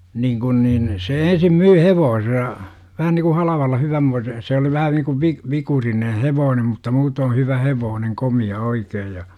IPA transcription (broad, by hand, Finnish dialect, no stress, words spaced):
niːŋ kun niːn se ensim myː heʋoːsesɑ ʋæhæn niku hɑlɑʋɑlːɑ hyʋæmːoise se oli ʋæhæn niku ʋi ʋikurinen̞ heʋoːnem mutːɑ muːtoː hyʋæ heʋoːneŋ komiɑ oikeːj jɑ